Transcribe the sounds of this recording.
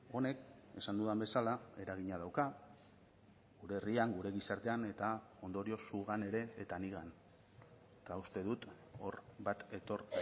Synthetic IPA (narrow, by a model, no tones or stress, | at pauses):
o̞ne̞ke̞sand̪uðambe̞salae̞ɾaɣ̞iɲað̞awka | ɣuɾe̞ːriaŋɡuɾe̞ɣisaɾt̪e̞ane̞t̪ao̞nd̪o̞ɾio̞suɣ̞ane̞ɾe̞ːt̪aniɣan | t̪aust̪e̞ðut̪ | o̞ɾβat̪e̞t̪o̞ɾ